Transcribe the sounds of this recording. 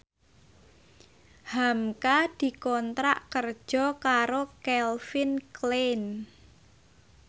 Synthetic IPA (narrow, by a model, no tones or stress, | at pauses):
hamkad̪̥i̤kɔnt̪ɾaʔkər̥ʒ̥ɔ̤kaɾokɛlfɪnklen